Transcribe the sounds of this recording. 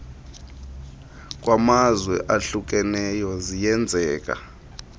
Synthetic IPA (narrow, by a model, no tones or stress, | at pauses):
k̬ʼwʔamazwɛʔaɬuk̬ʼɛnɛjɔzijɛnd͡zʱɛːk̬ʼa̰